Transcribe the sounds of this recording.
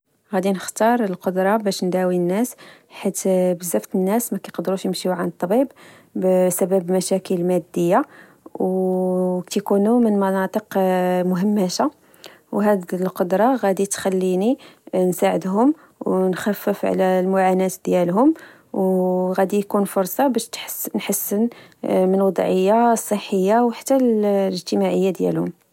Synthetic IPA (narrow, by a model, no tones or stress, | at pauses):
ɣæd̪inəxt̪ɑɾˤəlqod̪ɾˤɑbæʃnd̪æwinːæsħit̪bəzːæft̪ənːæsmækæjqd̪ɾuʃjəmʃiuʕanət̪ˤːbib | bsæbæbmæʃækəlmæd̪ːəjːa | w | t̪kunumənmɑnɑt̪ˤəqmʊɦəmːæʃa | wɦæd̪lqod̪ɾˤɑɣæd̪it̪xælːininsaʕəd̪ɦʊm | wnxæfːəfʕ̰lælmʊʕanæt̪d̪jælɦʊm | wɣæd̪ijkunfʊɾˤsˤɑbæʃt̪nħəsːənmənwɑd̪ˤʕəjːasˤːəħːəjːawħḁt̪ːæləʒt̪əmaʕəjːad̪jæ̰lhʊm